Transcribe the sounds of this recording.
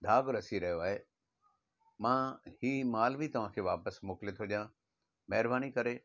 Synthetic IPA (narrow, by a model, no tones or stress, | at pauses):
d̪ʱaːɡɾɐsiɾɐɦjoaːɦeː | mãːhiːmaːlbʱit̪ɐʋ̤ãːkʰeːʋaːpəsmoːklet̪ʰoʄjã | mɐɦɪɾbaːñikɐɾe